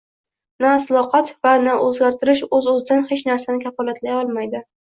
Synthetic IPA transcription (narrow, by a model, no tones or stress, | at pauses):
naːslˠɒqɑt̪vanaʔɵzɡʲaɾt̪ʰɪɾɪʃɵzɵzɪd̪anhet͡ʃnaɾsanɪkʲʰafɒlˠat̪lajɒlˠmajd̪ɪ